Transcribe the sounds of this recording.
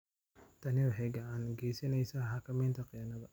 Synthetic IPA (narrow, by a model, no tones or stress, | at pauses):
t̪ʰɐnɪwħɛɡɐaːnɡɛːsɐnɛjsɐɦɐkʰɐmɛːnt̪ʰɐqɪjɐnɐðɐ